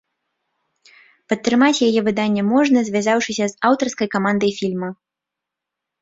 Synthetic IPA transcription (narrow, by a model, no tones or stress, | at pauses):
pɐt̪ːɾɨmat͡sʲjajɛvɨd̪anʲːɛmɔʐnɐzʲvʲazawʂɨsʲɐzawt̪ɐrskɐjkamand̪ɐjfʲilʲmɐ